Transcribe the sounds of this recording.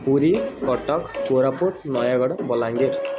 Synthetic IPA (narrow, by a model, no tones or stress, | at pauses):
puɾikɔʈɔkpoɾapoʈnɔjaɡɔɽbɔlaŋɡeɾ